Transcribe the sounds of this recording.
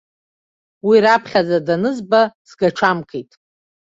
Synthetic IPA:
wiɾapʰχʲazadanɨzbasɡaʈ͡ʂʰamkʰʼejtʼ

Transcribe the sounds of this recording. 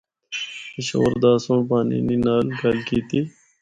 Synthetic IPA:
təɕə̰wəɾd̪aːsõːpaːnḭːninaːlɡaːlkiːt̪iː

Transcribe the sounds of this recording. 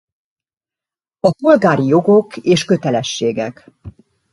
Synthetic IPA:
ɒpolɡaːɾijo̞ɡo̞keːʃkø̞t̪ɛlɛʃːeːɡɛk

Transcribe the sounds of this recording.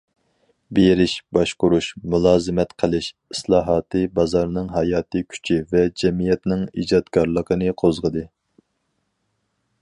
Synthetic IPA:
beɾɪʃbɑʃqʊɾuʃmulˠɑːzɨmɛt̪qʰəlˠɪʃ | islˠɑːɦɑːt̪ʰɨbɑzɑɾnɨŋɦɑjɑːt̪ʰɨkʲʰy̥t͡ʃʰivɛd͡ʒɛmijɛt̪nɪŋḭd͡ʒɑd̪kʰɑɾlˠəqʰənɨqʰozʁəd̪ɨ

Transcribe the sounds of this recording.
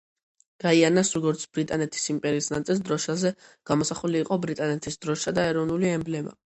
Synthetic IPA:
ɡ̥aianasɾɔɡɔɾt̪sʰb̥ɾit̪ʼanɛt̪ʰi̥simpʼɛɾiːsna̰t̪sʼilˠs̬d̪ɾɔʃazɛɡ̥amɔsaχuliːqʼɔbɾit̪ʼanɛt̪ʰisd̪ɾɔʃad̪aɛɾɔvnuliɛmblɛma̰

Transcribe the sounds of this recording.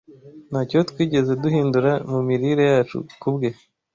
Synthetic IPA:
n̥haːco̞t̪kwiːɟe̞ze̞duhiːnduɾamumiɾiɾe̞jaːt͡ʃṵkubɡe̞

